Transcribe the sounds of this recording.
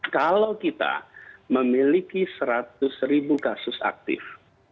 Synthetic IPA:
kalawkit̪a̰məmilikisəɾat̪ʊsɾibukasʊsa̰k̚t̪ɪ̰f

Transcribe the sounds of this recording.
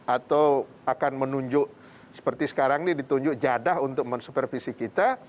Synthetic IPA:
at̪aw | akanmənuɲd͡ʒʊʔ | sə̥pərt̪isə̥kaɾaŋnidit̪uɲd͡ʒʊkd͡ʒadaɦunt̪ʊk̚mənsupərfisikit̪a

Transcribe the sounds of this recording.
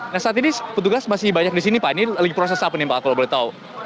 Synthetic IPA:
nahsəaːt̪inipət̪̬uɡasmasɪhbaɲak̚disinipaniləɡipɾos̬ɛsapənɛmbakakəlobəlit̪au

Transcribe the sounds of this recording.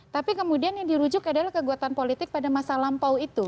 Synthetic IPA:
t̪apikəmudianjadiɾud͡ʒʊkadalahkəɡuat̪anpolit̪ɪk̚padamasalampawit̪u

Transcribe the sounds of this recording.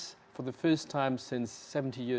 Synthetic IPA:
s | fə˞ðəfɜ˞stʰãɪ̃msɪ̃nsːɛṽn̩tʰijɪ

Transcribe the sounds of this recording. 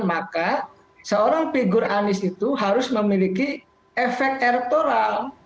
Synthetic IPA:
maka | səoɾaŋpiɡʊɾʔanɪsit̪uɦaɾʊsməmiliki | efɛk̚t̪ɛrt̪oɾal

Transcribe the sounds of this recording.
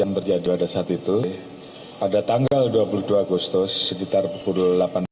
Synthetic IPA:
aŋt̪ərd͡ʒadipadasaːt̪it̪u | padat̪aŋɡalduapuluduaːɡust̪ʊsːəkit̪arpupuluulapan

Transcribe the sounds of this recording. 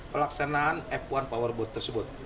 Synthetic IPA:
pəlaksanaːnɛpwanpawərbɔt̪ːərsəbʊt̪̚

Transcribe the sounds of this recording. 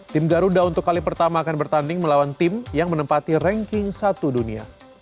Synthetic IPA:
t̪ɪmɡaɾudaunt̪ʊkːalipərt̪amaːkanbərt̪andɪŋməlawant̪ɪmjaŋmənəmpat̪irɛŋkɪŋsat̪udunia̰

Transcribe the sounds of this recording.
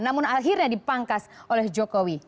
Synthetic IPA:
namʊnaɦirɲadipaŋkasolɛhd͡ʒɔkowi

